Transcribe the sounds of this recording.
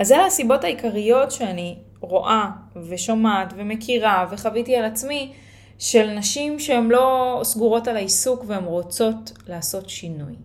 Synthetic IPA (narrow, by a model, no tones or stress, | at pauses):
azeasibo̞taikaʁijo̞tʃeani | ʁo̞ʔave̞ʃomatve̞mekʰiʁave̞χavitialat͡smi | ʃe̞lnaʃimʃeemlo̞sɡuʁo̞talaisukveemʁo̞t͡so̞tlaːso̞tʃinuj